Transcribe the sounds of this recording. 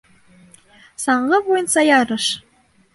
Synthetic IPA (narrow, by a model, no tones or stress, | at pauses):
sɑɴʁɤ̆vojɤnsɑjɑɾɤ̆ʃ